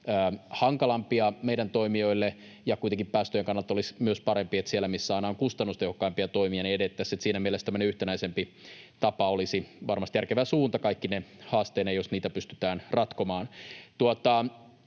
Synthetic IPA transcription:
æːhɑŋkɑlɑmpiɑmeidænt̪oimio̞ilːe | jɑkuit̪eŋkippæːst̪øjeŋkɑnːɑlt̪olismyøspɑɾempiet̪sielːˑæmisːæɑinɑoŋkust̪ɑnːust̪ehokːɑimpiɑt̪oimiɑniedet̪ːæsːet̪siːnæmielest̪æmːøneyht̪enæisempit̪ɑpɑolisiʋɑrmɑst̪jærkeʋæsuːnt̪ɑkɑikːinehɑːst̪eːnejosniːt̪æpyst̪yt̪æːnrɑt̪komɑːnt̪uot̪ɑ

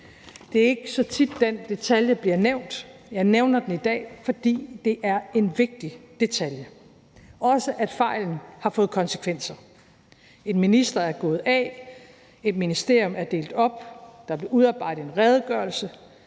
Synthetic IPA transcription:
d̥e̝æɐe̝ɡ̥əsɒ̽t͡sʰid̥ːend̥e̝t͡sʰæljəb̥liɐneʊ̰nd̥jɑ̈ɪneʊnɐd̥enid̥ɛ̰ːfɒ̽d̥ḭːd̥e̝ʔæɐe̝nʋe̝ɡ̥̚d̥id̥e̝t͡sʰæljə | ɒ̽səʔæd̥fɑ̈ɪ̰ln̩hɑ̈fɔ̽ːð̩ˠkʰɒ̽nsə̥kʰʋen̰sɐ | e̝nminisd̥ɐæɐɡ̥ɔ̽ːð̞̩ˠɛ | e̝d̥minisd̥e̝ɐ̰jɔ̽mæɐd̥e̝̰ːld̥ɒ̽b̥d̥ɑ̈b̥le̝uðˠɑ̈ːb̥ɑ̈ɪ̰ɾ̥̩ˠe̝nʁɛːð̞ˠɡ̥ɶɐlsə

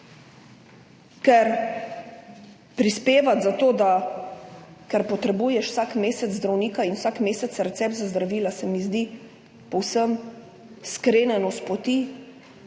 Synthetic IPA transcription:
kɛɾ | pɾispeːʋat̪zat̪oːd̪a | kɛɾpɔt̪ɾɛbujɛʃw̥sakmeːsɛt̪zzd̪ɾawniːkainwsakmeːsɛt̪ɾɛt̪sɛp̪zazd̪ɾaʋiːlasɛmizd̪i | pɔwsəm | skɾeːnɛnɔspɔt̪iː

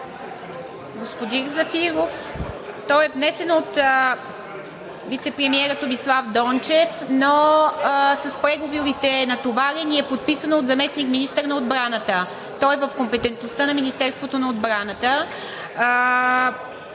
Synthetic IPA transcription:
ɡospod̪inzɐfiɾoft̪ɔjɛvnɛsɛnot̪ | vit̪sɛpɾɛmiɛɾət̪omislˠavd̪ɔnt͡ʃɛfno | sɐspɾɛɡovoɾit̪ɛnɐt̪ovaɾiniɛpot̪̚pisənoːd̪zɐmɛsnikminist̪əɾnɐod̪bɾanət̪ə | t̪ɔjvəfkompɛt̪ɛnt̪nost̪ənɐminist̪ɛɾst̪vot̪onɐod̪̚bɾanət̪ə

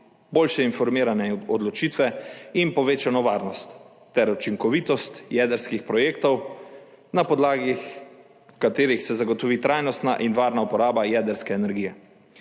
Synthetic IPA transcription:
boːlʃɛinfɔɾmiːɾanɛɔd̪lɔt͡ʃiːt̪ʋɛinpɔʋeːt͡ʃanɔʋaːɾnɔst̪ː | ɛɾɔt͡ʃiŋkɔʋiːt̪ɔst̪jɛːd̪əɾskixpɾɔjeːkt̪ɔw | napɔd̪laːɡix | kat̪eːɾixsɛzaɡɔt̪ɔʋiːt̪ɾajnɔst̪na̰ʔinʋaːɾnaupɔɾaːbajɛːd̪əɾskɛːnɛɾɡiːjɛ

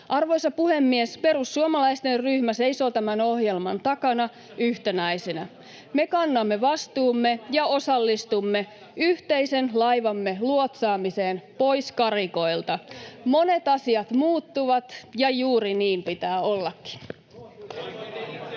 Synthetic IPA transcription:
ʔɑrʋo̞jsɑpuhe̞mːiespe̞ɾusːuomɑlɑist̪e̞rryhmæse̞iso̞t̪æmæno̞hje̞lmɑnt̪ɑkɑnɑ | yht̪enæjsenæ | me̞kɑnːɑmːe̞ʋɑst̪uːmːe̞jɑo̞sɑlːist̪umːe̞ | yht̪e̞jse̞nlɑjʋɑmːe̞luot̪sɑːmise̞ːnpo̞jskɑriko̞ilt̪ɑmo̞ne̞t̪ɑsiɑt̪muːt̪ːuʋɑt̪jɑjuːɾiniːmpit̪æːo̞lːɑkːi̥n

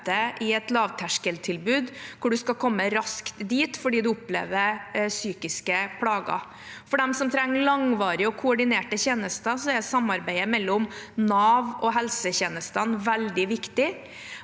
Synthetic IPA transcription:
t̪əʔɪɛt̪lɑːʋt̪ʰæʂkəlt̪ʰɪlbʉːd̪kʰʊɖʉskɑkʰɔmːəɾɑskt̪d̪iːt̪fɔɖiːd̪ʉʊplḛːʋəɾsyːkɪskəpʰlɑːɡɑ̰ | fɔɖɛmsɔmt̪ʰɾɛŋːɭɑŋʋɑːɾɪɔkʰʊɔɖɪneːʈəçeːnəst̪əsɔɛsɑmːɑɾbæɪəmɛlːɔmnɑːʋɔɦɛlsəçeːnəst̪ɑnʋɛld̪ɪʋɪkt̪ɪ

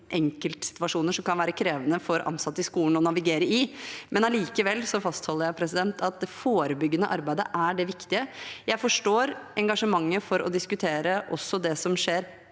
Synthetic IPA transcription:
ʔɛŋkəlt̪sɪ̥t̪ʋɑʂuːnəʂɔmkɑnʋæːɾəkʰɾeːʋənəfɔɾʔɑ̰nsɑt̪ːɪskuːln̩ɔnɑʋɪɡeːɾəɪmʔɛnɑliːkəʋɛlːsɔfɑst̪hɔlːəɾjæɪpʰɾɛsɪd̪ɛnt̪ʰɑt̪̚d̪ɛfoːɾəbʏɡːənəʔɑɾbæɪd̪ə̰ʔæɖɛʋɪkt̪ɪəjæɪfɔʂʈoːɾʔɛŋɡɑʂəmɑŋːəfɔɾɔ̰d̪ɪskʉt̪ʰeːɾəʔɔ̰sːɔd̪ɛsɔmʂeːɾ

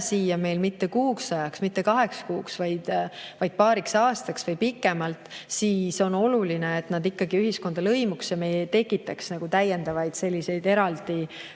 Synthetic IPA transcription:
siːjɑme̞jlmit̪ːe̞kuːksɑjɑksmit̪ːˑe̞kɑɦe̞ksɑ̥kuːksvɑjd̪̥vɑjd̪̚pɑːɾiksɑːst̪ɑksvɤjpikːˑe̞mɑlt̪siːso̞no̞lulineːt̪nɑd̪ikːɑɡ̥iyɦisko̞nd̪ɑlɤ̞jmuksjɑme̞jet̪e̞kːˑit̪ːˑɑksnɑɡ̥ut̪æjːe̞nd̪̥ɑvɑjd̪̥se̞lʲːise̞jd̪e̞ɾɑld̪̥i

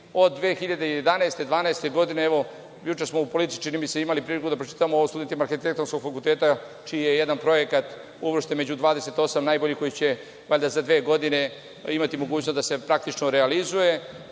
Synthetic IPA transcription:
o̞d̪ːʋeːxiʎad̪e̞ije̞d̪aneest̪e̞d̪ʋaːneest̪e̞ɡo̞d̪ineeʋo̞ | jut͡ʃesmo̞upolit̪it͡ʃinimiseimalipɾiːlikud̪apɾot͡ʃi̥t̪aamooʋost̪ud̪ent̪imaɾxit̪ek̚t̪o̞nsko̞ɡfakult̪eːt̪a | t͡ʃiːjeje̞d̪anpɾo̞je̞kat̪ | uʋr̩ʃt̪eme̞d͡ʑud̪ʋaːd̪e̞se̞t̪o̞samnaːjbo̞ʎiko̞jit͡ɕe̞ | ʋaʎʲd̪azad̪ʋeːɡo̞d̪ine̞ | imat̪imo̞ɡuːt͡ɕnost̪ase̞pɾak̚t̪it͡ʃnoɾealizuje̞

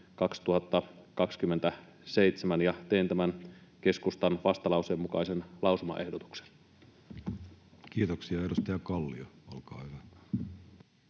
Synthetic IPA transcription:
kɑkst̪uhɑt̪ːɑkɑkskymːent̪æ | se̞it̪semænjɑt̪eint̪æmænk̟e̞skust̪ɑnʋɑst̪ɑlɑuseemːukɑisenlʔɑˑusumɑ̰ʔe̞hdot̪u̥kse̥n | kiːt̪oksiɑedust̪ɑjɑkɑlːioolkɑ̰ːhyʋæ

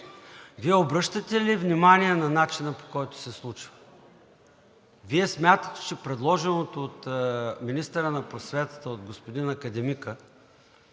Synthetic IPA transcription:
viɛobɾɤʃt̪ət̪ɛlivnʲimaniɛnɐnat͡ʃinəpo̥kɔjt̪ʊ̥sɛslˠut͡ʃvə̥ | viɛsmʲjat̪ə̥t̪ɛ̥t͡ʃɛpɾɛd̪lˠɔʒɛnot̪oːt̪minist̪əɾənɐpɾosvɛt̪ə̥t̪əod̪̚ɡospod̪inɐkɐd̪ɛmikə

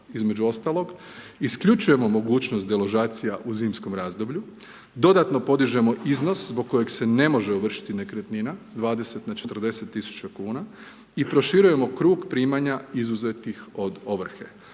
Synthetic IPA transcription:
izme̞d͡ʑuo̞st̪alo̞ɡ | iskʎut͡ʃuje̞mo̞mo̞ɡuːt͡ɕnost̪d̪eloʒaːt̪sijaʔuziːmsko̞mɾaːzd̪o̞bʎu | d̪o̞d̪at̪no̞po̞d̪iʒe̞mo̞ʔizno̞szbo̞ɡ̚kːo̞je̞ɡse̞ne̞mo̞ʒeoʋr̩ʃi̥t̪inekɾet̪ninazd̪ʋaːd̪e̞se̞t̪nat͡ʃe̞t̪r̩d̪e̞se̞t̪ːisu̥t͡ɕakuːna | ipɾo̞ʃiɾuje̞mo̞kɾuːɡpɾiːmaɲaizuze̞t̪ixo̞d̪o̞ʋr̩xe̞̰

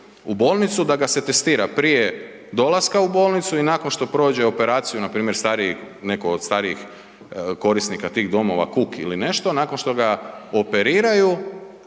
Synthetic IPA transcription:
ubo̞ːlˠnit̪sud̪aɡase̞t̪est̪iːɾapɾije | d̪o̞lˠaskaubo̞ːlˠnit̪suinaːko̞nʃt̪o̞pɾo̞ːd͡ʑe̞o̞pe̞ɾaːt̪sijunapɾiːmjeɾst̪aːɾii | ne̞kood̪st̪aːɾiix | ko̞ɾisnikat̪iːɣd̪o̞mo̞̰ʋa̰kukḭline̞ʃt̪o̞naːkonʃt̪o̞ɡao̞pe̞ɾiːɾaju

